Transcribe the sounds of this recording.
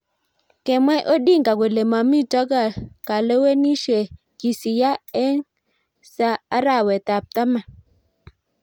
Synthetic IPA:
kɛ˨mwɛ˦ʔo˦ɗi˦˨ŋɡa˨ɡe˨le˨ma˨mi˦d͡ʒɔ˦ɡa˨ka˨le˦we˦ni˦ʃe˨ | ki˨si˨ja˦ɛ˦n | saː˦ɾa˨wɛ˨t̪a˨p̚t̪a˦ma˨

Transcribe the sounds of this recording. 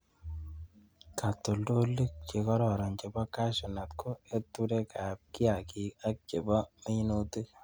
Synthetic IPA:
ka˨to˨ldo˦li˦k̚t͡ʃe˨kɔ˦ɾɔ˨ɾa˨nt͡ʃe˨bɔ˦ka˦ʃɔ˨na˨t̚ko˦e˦tu˦ɾe˦ka˨p̚ki˦a˨ki˨a˦k̚t͡ʃe˨bɔ˦me˦no˦te˦

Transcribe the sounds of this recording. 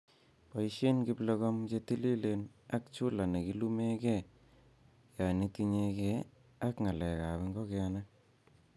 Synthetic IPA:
pa˨i˦ʃi˦nki˦plɔ˧ɣɔ˦mt͡ʃe˦ti˦li˦le˨na˦k̚t͡ʃu˦la˨ne˨ki˨˦lu˦me˦kɛ˦˨ | ja˨ni˦ti˧ɲe˧kɛ˦ | a˦kŋa˨lɛ˨ka˨βi˧˦ŋɡo˦kɛ˦ana˦

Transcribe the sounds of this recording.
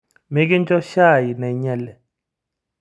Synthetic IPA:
me˦ki˦n˦t͡ʃɔ˦ʃa˦˨ji˨nɛ˨i˨˦ɲɛ˦˨lɛ˨

